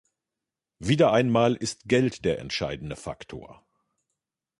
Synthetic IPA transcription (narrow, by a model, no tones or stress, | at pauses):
viːdɐʔaɪnmaːlʔɪstɡ̥ɛltd̥eːɐɛ̰ntʃa̰ɪdn̩dəfa̰ktʰo̰ːɐ